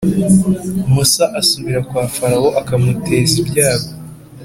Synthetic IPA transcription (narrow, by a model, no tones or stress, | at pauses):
musaʔasuβiɾakwaːfaɾawoʔakamutʰe̞ːzibjaːβo